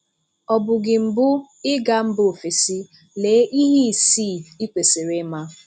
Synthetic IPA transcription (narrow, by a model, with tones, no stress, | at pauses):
ɔ˨bʊ˨ɡɪ˨m̩˨bʊ˦ | ɪ˦ɡa˦m̩˦bʊ˦˨fe˨si˦ | le˨˦ʔi˦ɦi˦˨si˦˨i˦kʷe˨sɪ˨ɾɪ˦ma˦